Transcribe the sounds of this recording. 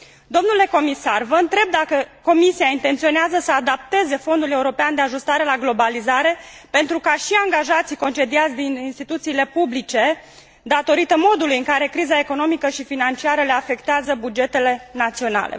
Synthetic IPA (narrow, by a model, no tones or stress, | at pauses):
d̪o̞mnule̞ko̞misarvəɨnt̪ɾe̞b̚d̪akəko̞misiaint̪e̞nt̪sio̞neazəsəad̪ap̚t̪e̞ze̞fo̞nd̪ule̞uɾo̞peand̪e̞aʒust̪aɾe̞laɡlo̞balizaɾe̞pe̞nt̪ɾukaʃiaŋɡaʒat̪sijko̞nt͡ʃe̞d̪iat̪sʲd̪ininst̪it̪ut̪siːle̞publit͡ʃe̞ | d̪at̪o̞ɾit̪əmo̞d̪ulujɨŋkaɾe̞kɾizae̞ko̞no̞mikəʃifinant͡ʃiaɾəle̞afe̞kt̪eazəbud͡ʒe̞t̪e̞le̞nat̪sio̞na̰lḛ